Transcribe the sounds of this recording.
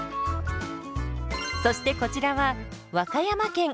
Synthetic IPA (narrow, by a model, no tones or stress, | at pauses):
so̞ɕi̥t̪e̞ko̞t͡ɕiɾaβa | βakajamakẽ̞ŋ